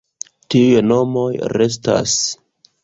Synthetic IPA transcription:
tiujno̞mo̞jɾe̞s̬ta̰s

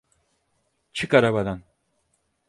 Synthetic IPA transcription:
t͡ʃʰɯkaɾabad̪an

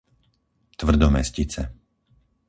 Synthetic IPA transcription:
t̪ʋr̩d̪ɔmɛ̰scit͡sɛ

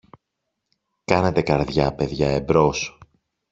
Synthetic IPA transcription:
kɐne̞t̪e̞kɐɾðʝɐpe̞ðʝɐebɾo̞s

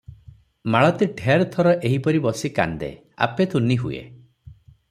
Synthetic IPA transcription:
maɭɔt̪iʈʰeaɾt̪ʰɔɾɔʔeɦipɔɾibɔsika̰nd̪ḛ | a̰pet̪ʰuniɦuḛ

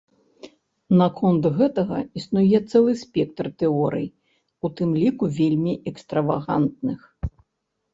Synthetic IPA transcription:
nɐkʰɔnt̪ɣɛt̪ɐɣɐ̰isnujɛt̪sɛlˠɨsʲpʲɛkt̪rt̪ɛɔɾɨ̰j | ut̪ɨmlʲikuvʲelʲmʲiɛkst̪ɾɐvaɣa̰nt̪̚nɨx

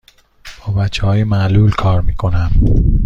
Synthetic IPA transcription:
b̥ɒːbæt͡ʃʰːehɒːjemæʔlulkʰɒːɾmiːkʰo̞næm

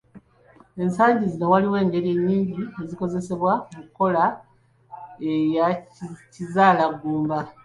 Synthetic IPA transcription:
e̞nsaːɲɟizino̞waliwe̞ːŋɡe̞ɾie̞ɲːiːɲɟie̞ziko̞ze̞se̞βwamukːo̞la | ejacizaːlaɡːuːmba

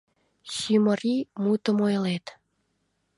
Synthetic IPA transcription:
ɕymərimut̪ə̆mojlet̪

